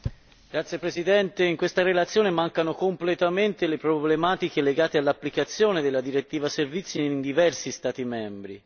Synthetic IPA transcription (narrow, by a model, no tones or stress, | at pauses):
ɡ̥ɾat̪sːjepɾesid̪ɛnt̪eiŋkwest̪aɾelat̪sːjoːnemaŋkanokomplet̪ament̪elepɾoblemaːt̪ikeleɡaːt̪ealːapːlikat̪sːjoːned̪elːad̪iɾet̪ːiːvaservit̪sːiind̪ivɛrsist̪aːt̪imɛmbɾi